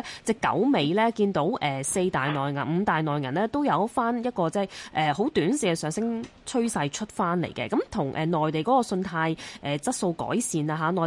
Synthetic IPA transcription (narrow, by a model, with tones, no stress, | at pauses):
t͡sɛ˥˩kːɐ̰˨˥wme˨˧jlɛː˥kiː˧nt̪o˨˥wʔɛː˨se˧jt̪aː˨jnɔː˨˩jŋɐ˨˩nm̩˨˧t̪aː˨jnɔː˨˩jŋɐ˨˩nlɛː˥t̪o˥wjɐ˨˧wfaː˥njɐ˥t̚kɔː˧t͡sɛ˥˩ʔɛː˨˩ho˨˥wt̪yː˨˥nsiː˨kɛ˧sœː˨˧ŋsɪ˥ŋt͡sʰɵ˥ɥsɐ˧jt͡ʃʰɵ˥t̚faː˥nlḛ˨˩jkɛ̰˧kɐ˨˥mt̪ʰʊ˨˩ŋʔɛ̰ː˨˩nɔː˨jt̪e˨jkɔː˨˥kɔː˧sɵ˧nt̪ʰaː˧jʔɛː˨˩t͡sɐ˥t̚so˧wkɔ̰ː˨˥jsiː˨naː˧ɦaː˨˧nɔː˨˩